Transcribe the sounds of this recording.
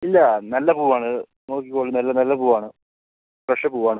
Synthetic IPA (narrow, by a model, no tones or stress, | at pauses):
ilːɐnɐlːɐpuːʋaːɳɨ | no̞ːkikːoːɭːɨnɐlːɐnɐlːɐpuːʋaːɳɨ | prɐʂɐpuːʋaːɳɨ